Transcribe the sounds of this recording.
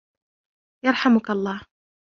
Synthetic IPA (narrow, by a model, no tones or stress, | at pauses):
jɑɾˤħamʊkɑlˤːɑː